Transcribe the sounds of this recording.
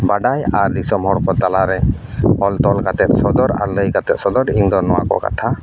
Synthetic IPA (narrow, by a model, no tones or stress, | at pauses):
baɖajaɾdisɔmhɔɽkɔt̪alaɾɛ | hɔlt̪ɔlkat̪ɛt̪̚sɔd̪ɔɾa̰ɾləjkat̪ɛt̪sɔd̪ɔɾiŋd̪ɔnɔwa̰kɔ̰ka̰t̪ʰa